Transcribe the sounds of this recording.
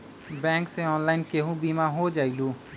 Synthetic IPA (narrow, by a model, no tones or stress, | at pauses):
bɛ̃ːŋkseɔːnlaːɪnkeɦũbiːmaɦod͡ʒaːiluː